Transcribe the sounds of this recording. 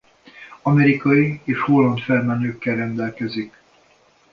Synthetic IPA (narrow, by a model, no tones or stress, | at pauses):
ɒmɛɾikɒjieːʃho̞lːɒnt̪fɛlmɛnøːkːɛlrɛnd̪ɛlkɛzik